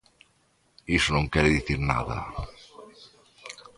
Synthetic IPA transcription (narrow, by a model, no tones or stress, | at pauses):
isonõŋkɛɾeðiθiɾna̰ðɐ̰